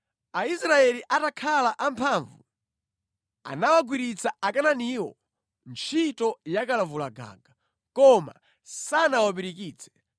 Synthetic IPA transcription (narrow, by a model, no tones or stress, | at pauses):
aisɾaɛliʔatakʰalaʔampʰaːɱvu | a̰nawaɡwiɾit͡saʔakananiwɔ̰ | nt͡ʃʰitɔjakalavulaɡa̰ːɡa | kɔma̰ | sanawaɓiɾikiːt͡sʰɛ̥